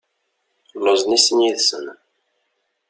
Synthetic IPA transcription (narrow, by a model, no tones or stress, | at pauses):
loznisənjiðsə̰n